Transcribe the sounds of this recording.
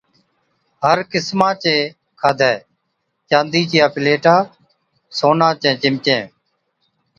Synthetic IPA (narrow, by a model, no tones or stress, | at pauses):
ɦəɾkɪsmãːt͡ʃẽː | kʰaːd̪ʱɛː | t͡ʃãːnd̪iːt͡ʃɪjaːpɪleːʈaː | soːnaːt͡ʃẽːt͡ʃɪmt͡ʃẽː